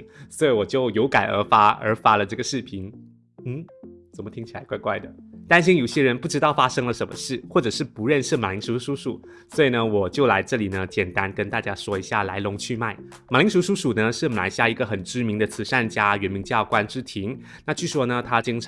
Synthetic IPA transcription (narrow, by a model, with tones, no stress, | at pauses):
swɔ˧˥i˨˧˥wɔ˨˩t͡ɕjo˥˩ʊjo˧˥ʊka˨˩ɪə̰˞˧˥fa˥ə̰˞˧˥fa˥lə˨ʈ͡ʂɤ˥˩ɡə˩ʂɻ̩˥˩pʰi˧˥n | n̩˥˩t͡sə˨˩mə˦i˥ŋt͡ɕʰi˨la˧˥ɪkwa˥˧ɪkwa˥˩ɪd̪ə˩t̪a˥nɕ̬i˥njo˨˩ʊɕjɛ˥ɻə˧˥npu˥˩ʈ͡ʂɻ̩˥t̪ɑ˥˩ʊfa˥ʂɤ˥ŋlə˨ʂə˧˥nmə˧ʂɻ̩˥˩xwɔ˥˩ʈ͡ʂɤ˨˩ʂɻ̩˥˩pu˧˥ɻə˥˧nʂɻ̩˥˩ma̰˨˩li˧˥ŋʂu˧˥ʂu˥ʂu˨˩˦ | swɔ˧˥i˨˩nə˦wɔ˨˩t͡ɕjo˥˩ʊla˧˥ɪʈ͡ʂɤ˥˩li˨˩nə˦t͡ɕjɛ˨˩nt̪a˥nkə˥nt̪a˥˩t͡ɕja˥ʂwɔ˥i˧˥ɕja˥˩la˧˥ɪlʊ˧˥ŋt͡ɕʰy˥˧ma˥˩ɪ | ma˨˩li˧˥ŋʂu˧˥ʂu˥ʂu˨˩nə˦ʂɻ̩˥˩˨la̰˧˥ɪɕja˥˩i˧˥ɡə˧xə˨˩nʈ͡ʂɻ̩˥mi˧˥ŋd̪ə˧t͡sʰɹ̩˨˩ʂa˥˩nt͡ɕja˥ɥɛ˧˥nmi˧˥ŋt͡ɕjɑ˥˩ʊkwa˥nʈ͡ʂɻ̩˥t̪ʰi˧˥ŋ | na˥˧t͡ɕʰy˥˩ʂwɔ˥nə˧t̪ʰa˥t͡ɕi˥ŋʰ